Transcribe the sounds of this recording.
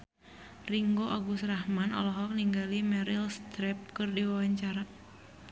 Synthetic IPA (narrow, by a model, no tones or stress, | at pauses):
riŋɡoʔaɡusrahmanɔ̰lɔɦɔk̚niŋɡalimɛɾilst̪ɾɛp̚kɨrdiwawaɲt͡ʃaɾa